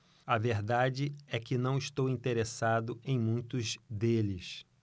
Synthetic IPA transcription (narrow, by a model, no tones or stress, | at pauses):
ɐveɾd̪ad͡ʒɪɛkɪnɐ̃w̃iʃt̪owĩnt̪eɾesad̪ʊẽj̃mũj̃t̪ʊzd̪elɪs